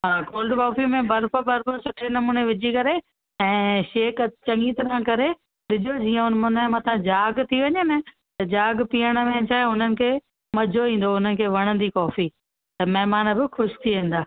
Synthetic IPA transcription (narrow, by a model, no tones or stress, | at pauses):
ɦaːkoːlɖkɔːfimẽbɐɾpʊɾbɐɾpʊɾsʊʈʰenɐmuːneʋɪd͡ʑʱikɐɾe | ɛ̃ːʃeːkt͡ɕɐ̃ŋɡit̪ɾãkɐɾe | ɗɪd͡ʑʱod͡ʑiːə̃ʊnmʊnemɐt̪ʰãd͡ʑaːɡt̪ʰiʋɐɲenɐ | t̪ɐd͡ʑaːɡpiːəɽ̃əmẽt͡ɕʰaːeʊn̤ənɪ̆kʰeː | mɐd͡ʑʱoʋĩːn̆d̪oʊn̤ənɪ̆kʰeːʋɐɽ̃ə̃nd̪ikɔːfi | t̪ɐmɐɦɾmaːnəbɪxʊʃɪ̥t̪ʰiʋẽːn̆d̪aː